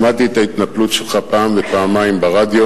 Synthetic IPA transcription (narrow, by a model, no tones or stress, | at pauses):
mat̪iet̪ait̪naplut̪ʃelχapaːmvepaːmajmbaʁad̪jo̞